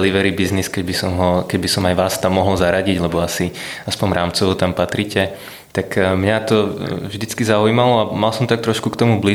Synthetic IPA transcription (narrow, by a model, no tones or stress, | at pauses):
liʋɛɾibizniskɛɟbisɔmɦɔkɛɟbisɔmajʋaːst̪amːɔɦl̩zaɾaɟiɟlɛbɔasiaspɔɲɾʔaːmt͡sɔʋɔt̪ampat̪ɾicɛ | t̪akmɲat̪ɔvʒd̪it͡skizaujmalɔamalsɔmt̪ak̚t̪ɾɔʃkukt̪ɔmubli